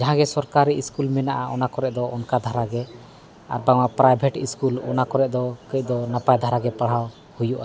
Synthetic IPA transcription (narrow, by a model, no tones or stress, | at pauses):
d͡ʒaɦãɡɛsɔɾkaɾiiskulmɛnaʔaɔnakɔɾɛʔd̪ɔɔnkad̪ʱaɾaɡɛ | a̰ɾbaŋapɾajbʱɛʈiskulɔ̰nakɔɾɛʔd̪ɔkəc̚d̪ɔnapajd̪ʱaɾaɡɛpaɽ̤aw | hujuʔa